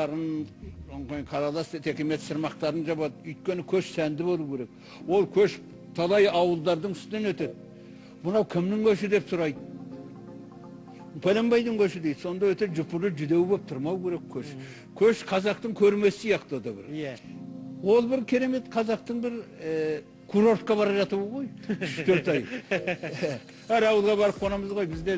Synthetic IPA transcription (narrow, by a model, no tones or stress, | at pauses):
ɑɾənonqɑjɴqʰɑɾɑlˠɑst̪ʰe̞kʲeme̞t̪səɾmɑqt̪ɑɾənʒɑβɑd̪ʏjt̪̚kʲe̞nɪkʲʰɵʃsænd̪ɪbo̞lˠukʲe̞ɾe̞k̚ | wo̞lˠkʲʰɵʃ | t̪ʰɑlˠɑjɑwəlˠd̪ɑɾd̪əɴʏst̪ɪne̞nwɵt̪e̞d̪̚ | mʊnɑwkʲʰɪmnɪŋkʲʰɵʃɪd̪e̞psʊɾɑjd̪ | pʰʲælembɑjd̪əŋkʲʰɵʃɪd̪ejd̪so̞nd̪ɑwɵt̪eʒʊpʊɾləʒʏd̪e̞wbep̚t̪ʰʊɾmɑwkʲʰe̞ɾe̞kʲkʲʰɵʃ | kʲʰɵʃqʰɑzɑq̚t̪əŋkʲʰɵɾme̞sɪ̥sijɑqt̪od̪ɑbɪ̰ɾ | wo̞lˠbɪɾkʲʰe̞ɾe̞me̞t̪qʰɑzɑq̚t̪əɴbɪɾ | kʰuɾo̞ɾt̪̚qɑbɑɾɑʒɑt̪əβəʁo̞jʏʃt̪ʰøɾt̪ɑj | æɾɑwəlˠʁɑbɑɾəp̚qʰo̞nɑməzʁo̞jbɪzd̪e